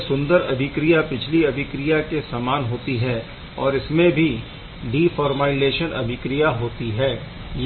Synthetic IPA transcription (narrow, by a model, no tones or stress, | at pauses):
sʊ̃nd̪əɾɐ̰d̪ʱɪkɾijapɪt͡ʃʰliɐd̪ʱɪkɾijakesaːmaːnɦoːt̪iɦɛː | ɔːɾɪsmẽbʱi | ɖiːfɔːɾmaːɪzeːʃənɐ̰bʱɪkɾijaɦoːt̪iɦɛː | j